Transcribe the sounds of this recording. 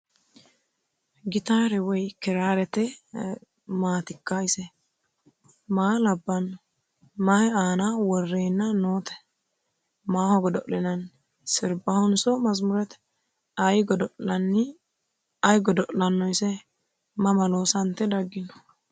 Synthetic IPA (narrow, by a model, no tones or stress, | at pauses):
ɡɪt̪aːɾɛwɔjkɪɾaːɾɛt̪ɛ | maːt̪ɪkːajsɛ | maːlɐbːɐnːɔ | maaːnawɔrːeːnːɐnoːt̪ɛ̥ | maːhɔɡɔd̪ɔʔlɪnɐn | sɪɾbɐhʊnsɔmɐzmʊɾɛt̪ | ɐjɡɔd̪ɔʔlɐnːɪ | ɐjɡɔd̪ɔʔlɐnːɔjsɛ | mɐmɐloːsɐnt̪ːɛd̪ɐɡːɪnɔ̥